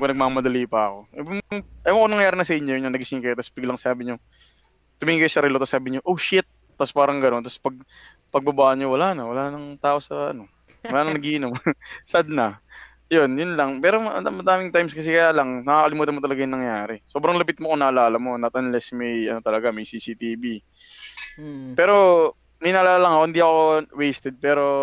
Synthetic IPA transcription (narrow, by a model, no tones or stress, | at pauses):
konɐɡ̚mamɐd̪ɐliːpɐɐko̞ʔɛbmŋʔɐjoŋɐkonɐŋjaːɾɪnɐsɐʔɪɲːojʊnɲonɐɡɪsɪŋkɐjot̪ɐsbɪɡlɐŋsaːbɪɲo̞ | t̪ʊmiːŋkɐjosɐɾɛlot̪ɐsːaːbɪɲoʔowʃɪt̪̚ːɐspaːɾɐŋɡɐno̞nt̪ɐspɐɡ̚ | pɐɡ̚bɐbaːʔɐnɲːowɐlaːnɐwɐlaːnɐŋt̪aːʔo̞sɐɐ̰no̞ | wɐlaːnɐŋnɐɡiʔɪnomsad̪̚nɐ | jo̞njʊnlɐŋpɛːɾo̞ʔɐ̰d̪ɐmːɐd̪aːmɪŋt̪ajmskɐs̬ɛkɐjaːlɐŋnɐkaːkɐlɪmuːt̪ɐnmot̪ɐlɐɡajʊŋnɐŋjaːɾɛso̞ːbɾɐŋlɐpɪt̪̚mokonɐʔɐlaːlɐmo̞nɐt̪̚ɐnlɛsmɐjʔɐ̰no̞t̪ɐlɐɡamɐjsiːsit̪iːbi | pɛːɾo̞ | mɐjnɐːʔlaːlɐŋɐkohɪnd̪iʔɐko̞wejst̪ɛd̪̚pɛːɾo̞